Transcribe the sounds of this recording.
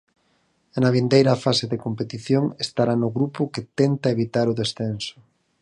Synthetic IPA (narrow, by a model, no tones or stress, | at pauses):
nɐβind̪ejɾɐfaseðekompet̪iθjoŋest̪aɾanʊɣɾupʊkɪt̪ɛnt̪ɐeβit̪aɾʊðesθensʊ̥